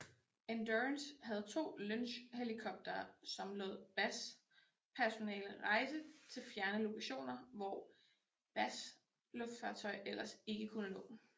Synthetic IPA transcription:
ænd̥ønshæð̞̩ˠt͡sʰo̝̰ːlønɕhelikʰɒ̽b̥̚d̥ɐːsɒ̽mlɔ̰ð̰ˠb̥æs | pʰæɐso̝nɛ̰ːləʁɑ̈ɪsət͡sʰe̝lfjæɐnəlo̝kʰæɕo̝̰ːnɐʋɒ | b̥æs | lɔ̽fd̥fɑ̰̈ːt͡sʰɒ̽ɪʔel̰ɐse̝ɡ̥əkʰunənɔ̰̽ːd̥n̩

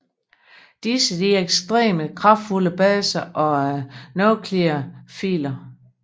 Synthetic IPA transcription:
d̥isəd̥iæeɡ̥sd̥ʁḛːməkʰʁɑ̈fd̥fuləb̥ɛːsɐʔɒ̽nokʰleɐfḭːlɐ

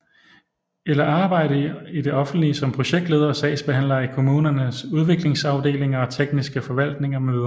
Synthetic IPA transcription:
elɐɑ̈ːb̥ɑ̈ɪ̰ɾ̥əid̥e̝ʔɒ̽fn̩d̥liəsɒ̽mpʰʁo̝ɕeɡ̥̚d̥le̝ːð̞ˠɐsɛ̰ɪsb̥e̝ɦæn̰lɐikʰo̝muːnɐnəsuð̞ˠʋe̝ɡ̥le̝ŋsɑ̈ʊd̥e̝̰ːle̝ŋɐɒ̽t͡sʰeɡ̥nisɡ̥əfɒ̽ʋæl̰d̥ne̝ŋɐmøːðˠɐ

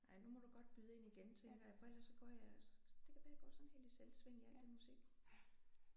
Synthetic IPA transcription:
nɑ̈ɪnumɒ̽d̥uɡ̥ɒ̽d̥̚b̥yð̞ˠe̝niɡ̥ent͡sʰeŋɡ̥ɐjɑ̈fɒ̽el̰ɐsːɒ̽ɡ̥ɒ̰ːjɑd̥e̝kʰæʋæːjɡ̥ɒ̰ːsɒ̽n̩he̝̰ːld̥iselsʋeŋ̰iæl̰d̥emusiɡ̥

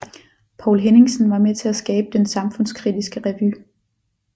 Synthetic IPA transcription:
pʰɒ̰ʊlɦene̝ŋsn̩ʋɑ̈met͡sʰe̝æsɡ̥ɛːb̥əd̥ensɑ̈mfɔ̽n̰skʰʁid̥isɡ̥əʁɛʋy

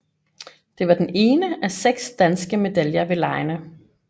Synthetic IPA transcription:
d̥e̝ʋɑ̈d̥ene̝ːnəæseɡ̥sd̥ænsɡ̥əme̝d̥æljɐʋe̝lɑ̈ɪnə

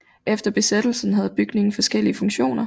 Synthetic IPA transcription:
ʔefd̥ɐb̥e̝sed̥l̩sn̩ɦæð̞̩ˠb̥yɡ̥ne̝ŋn̩fɒ̽sɡ̥el̰iəfɔ̽ŋɕo̝̰ːnɐ

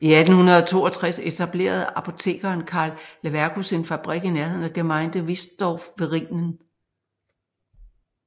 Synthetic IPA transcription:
iæd̥n̩hunɐð̞ˠɒt͡sʰo̝̰ːɒt͡sʰʁase̝t͡sʰæb̥le̝̰ːɐð̞ˠɑ̈pʰo̝t͡sʰe̝̰ːɡ̥ɐːnkʰɑ̈ːlːeʋæɐɡ̥use̝nfæb̥ʁiɡ̥ineɐhe̝ð̞̰ˠn̩ɒɡ̥emɑ̈ɪnd̥əʋisd̥ɒːfʋe̝ʁiŋ̰nən

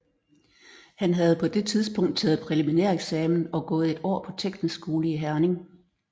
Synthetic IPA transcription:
hænɦæð̞̩ˠpʰɒ̽d̥e̝t͡sʰið̞ˠsb̥ɔ̽ŋ̰d̥̚t͡sʰɛ̰ːð̩ˠpʰʁɛliminæɐ̰eɡ̥sɛːmn̩ɒ̽ɡ̥ɔ̽ːð̞̩ˠe̝d̥ɒ̰ːpʰɒ̽t͡sʰeɡ̥d̥n̩sɡ̥o̝ːləiɦæɐne̝ŋ

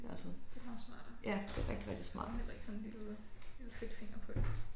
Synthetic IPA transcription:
d̥e̝ælsɔn̥e̝mɑ̈ːðˠsmɑ̈ːd̥jæ̥d̥eʁɛɡ̥d̥iʁɛɡ̥d̥ismɑ̰̈ːd̥ed̥eɡ̥sɔnenliloð̥ˠefed̥fe̝ŋɐpʰɔ̽d

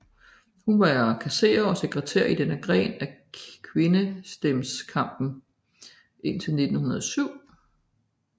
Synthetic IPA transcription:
hunʋɑkʰæse̝̰ːɐɒ̽se̝ɡ̥ʁɛt͡sʰeɐ̰id̥enəɡ̥ʁɛ̰ːnækʰʋe̝nəsd̥emskʰɑ̈m̰b̥n̩ | ʔe̝n̰t͡sʰe̝lne̝d̥n̩hunɐð̞ˠsyʊ̰

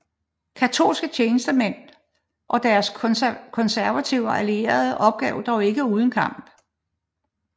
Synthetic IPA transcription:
kʰæt͡sʰo̝̰ːlsɡ̥ət͡ɕʰeːnəsd̥əmen̰ | ʔɒ̽d̥æɐskʰɒ̽nsæɐʋæt͡sʰiʊ̰ɒʔælie̝̰ːɐð̞ˠəʔɒ̽b̥̚ɡ̥ɛ̰ːʊd̥ɒʊe̝ɡ̥əuːð̞ˠn̩kʰɑ̈m̰b̥

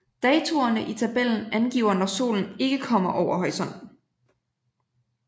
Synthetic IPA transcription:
d̥ɛːt͡sʰo̝ɐnəʔit͡sʰæb̥el̰n̩ænɡ̥ḭːʊɐnɒso̝̰ːln̩e̝ɡ̥əkʰɒ̽m̰ɐʔɒʊɐɦɒ̽ɪsɒn̰̩

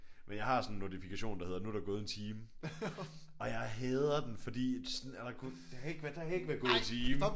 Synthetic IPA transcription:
menjɑ̈ɪhɑ̈sɒ̽nnːo̝t͡sʰifikʰæɕo̝̰ːndɑ̈he̝ðˠɐnuæɾëɐɡɔ̽ːð̞ˠent͡sʰiːm | ɒ̽jɑ̈ɪɦɛːðˠɐd̥enfɒ̽d̥ḭ̥ːsnælsɐkʰu | d̥eɡ̥ʋd̥eheɪɡ̥ʋæɐɡ̥ɔ̽ːð̩ˠent͡sʰiːm

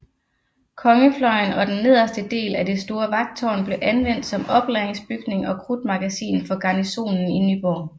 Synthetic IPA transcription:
kʰɒ̽ŋəflɒ̽ɪnɒ̽d̥enːe̝ð̞̰ˠɐsd̥əd̥e̝̰ːlæd̥e̝sd̥o̝ːɐʋɑ̈ɡ̥̚d̥̚t͡sʰɒ̰ːnb̥le̝ʔænʋen̰d̥sɒ̽mɒ̽b̥lɛːeŋsb̥yɡ̥ne̝ŋɒ̽kʰʁud̥mɑ̈ɡ̥æsḭːnfɒ̽ɡ̥ɑ̈niso̝̰ːnn̩inyb̥ɒ̰ː

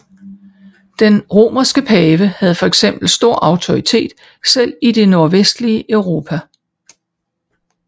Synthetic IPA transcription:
d̥enʁo̝̰ːmɐsɡ̥əpʰɛːʋəhæð̞̩ˠfɒ̽eɡ̥sem̰b̥l̩sd̥o̝ɐ̰ʔɑ̈ʊt͡sʰo̝ʁit͡sʰe̝̰ːd̥ | sel̰id̥e̝no̝ɐʋesd̥liəʔœʊʁo̝ːpʰæ

